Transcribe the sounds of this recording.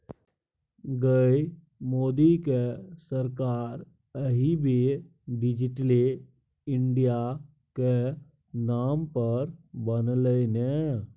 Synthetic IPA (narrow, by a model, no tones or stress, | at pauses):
ɡəj | moːd̪ikesəɾkaɾ | əɦibʱi | ɖɪd͡ʒiʈli | ɪɳɖija | ke | nampəɾbənləne